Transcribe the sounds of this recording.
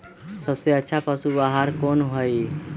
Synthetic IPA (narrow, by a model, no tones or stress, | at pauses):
səbseətːʃʰapəsubaɦaɾkonɦoj